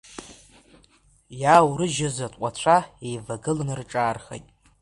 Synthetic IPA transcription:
jawɾɨʒɪzatʷʼqʷʼat͡ɕʷʰaejvaɡɨlnɨrʈ͡ʂʼaːrχḛjtʼ

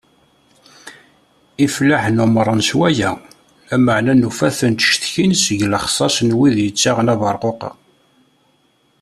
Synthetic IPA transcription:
iflaħnʊmɾˤənswæjæ | æməʕnænufæθənt̪ə̥ʃθçinsəʝləχsˤɑsnwiðjət͡sːaʁnæðɑɾˤqoqɑ̰

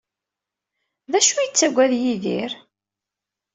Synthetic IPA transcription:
ðæʃujət͡sːæɡʷæðjiðiɾ

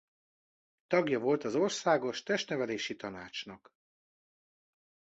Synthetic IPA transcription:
t̪ɒɡjɒvo̞lt̪ɒzo̞rsaːɡo̞ʃt̪ɛʃt̪nɛvɛleːʃit̪ɒnaːt͡ʃnɒk

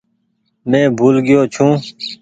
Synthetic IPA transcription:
mɛ̃ːbʱuːlɡɪjoːt͡ʃʰũː

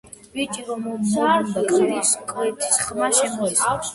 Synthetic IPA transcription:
b̥it͡ʃʼiɾɔmɔzaɾd̪akʼd̪iskʼwɛt̪ʰi̥sχmaʃɛmɔɛt̪sʼaks

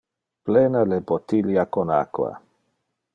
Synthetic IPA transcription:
plenalebot̪iljakona̰kwa̰

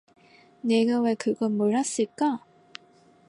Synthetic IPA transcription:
ne̞ɡawe̞kɯɡʌnmoɭɦas͈ɯɭk͈a

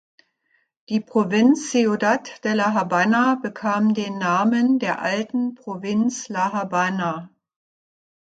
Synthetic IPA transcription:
d̥iːpʁ̥ovɪnt͡sːeodatd̥ɛːɐlaɦabanabəkʰaːmdeːnːaːməndeːɐʔaltn̩pʁ̥ovɪnt͡slaɦabana

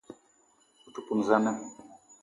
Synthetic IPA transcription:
utupunzana

